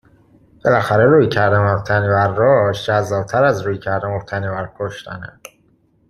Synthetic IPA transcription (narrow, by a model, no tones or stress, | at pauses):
b̥e̞læxæɾeɾuːjcʰæɾd̪æmoft̪ʰænibæɾːɒːʃd͡ʒæzːɒːb̚t̪ʰæɾæzɾuːjcʰæɾd̪æmobt̪ʰænibæɾkʰoʃt̪ʰæ̰ne̥